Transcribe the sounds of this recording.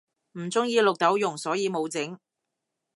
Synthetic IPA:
m̩˨˩t͡sʊ˥ŋjiː˨˧lʊ˨k̚t̪ɐ˨˥wjʊ˨˩ŋsɔː˨˥jiː˧mo˨˧wt͡sɪ˨˥ŋ

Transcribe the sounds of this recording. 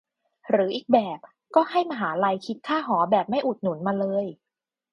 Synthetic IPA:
ɾɯː˩˦ʔiː˨˩k̚bɛː˨˩p̚ | kɔː˥˩ɦa˥˩jmaː˧ɦaː˩˦la˧jkʰi˦˥t̪̚kʰaː˥˩ɦɔː˩˦bɛː˨˩p̚ma˥˩jʔu˨˩t̪̚nu˩˦nmaː˧lɤː˧j

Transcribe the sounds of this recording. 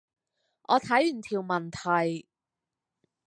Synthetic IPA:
ʔɔː˨˧t̪ʰɐ˨˥jy˨˩nt̪ʰiː˨˩wmɐ˨˩nt̪ʰɐ˨˩j

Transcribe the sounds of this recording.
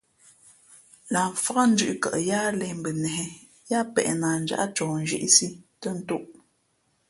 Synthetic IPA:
la˨ɱ˨fa˦a˦n̩˦d͡ʒʉ˦ʔkə̰˨ʔja˦lɛ˨m̩˨bə˨nɛ˨ɦɛ˨ | ja˦pɛ̰˨ʔna˨n̩˨d͡ʒa̰˦ʔt͡ʃɔː˨n˨d͡ʒḭ˦ʔsi˦tə˦n̩˦tu˦ʔ

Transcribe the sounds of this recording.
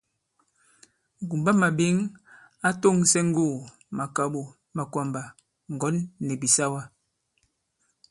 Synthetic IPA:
ŋ̩˨ɡu˨mba˦ma˨be˨˦ŋ | a˦to˦˨ŋsɛ˦ŋ̩˦ɡuː˦˨ | ma˨ka˨ɓo˨ | ma˨kwa˨mba˨ | ŋ˨ɡɔ˨˦nːɛ˨bi˨sa˦wa˦

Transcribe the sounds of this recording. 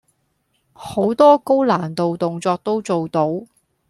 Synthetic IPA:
ho˨˥wt̪ɔː˥ko˥wlaː˨˩nt̪o˨wt̪ʊ˨ŋt͡sɔː˧k̚t̪o˥wt͡so˨wt̪o˨˥w

